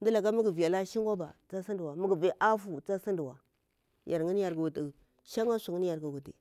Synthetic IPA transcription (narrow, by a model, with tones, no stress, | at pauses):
ndi˦la˨ɡa˦mu˦ɡi˨vi˨ja˨la˦ʃi˦ŋɡa˦ba̰˨t͡sa˦si˦ndi˨wa˨mu˦ɡi˨ve˨ʔa˦fu˨t͡sa˦si˦ndi˨wa̰˨ | jʔa˨ɾŋi˦n˦ja˨ɾɡa˨ɡu˨ti˨ | ʃa˦ŋa˦sʷu˨ŋi˦n˦ja˨ɾɡa˨ɡu˨tḭ˨